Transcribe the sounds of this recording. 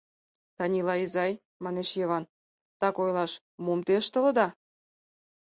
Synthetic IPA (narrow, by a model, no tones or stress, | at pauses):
t̪ɑnʲilɑizɑj | mɑneʃjeβɑn | t̪ɑkojlɑʃ | mumt̪eʃt̪ə̆lə̆d̪ɑ